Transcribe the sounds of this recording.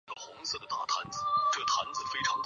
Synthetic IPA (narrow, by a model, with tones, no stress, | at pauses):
ə˧˩xʊ˧˥ŋsɤ˥˩d̪ə˩t̪a̰˥˩t̪ʰa̰˧˥nd͡zɹ̩˧˩˦ʈ͡ʂɤ˥˩t̪ʰa̰˧˥nd͡zɹ̩˧˦fe˥ɪʈ͡ʂʰɑ˧˥ŋt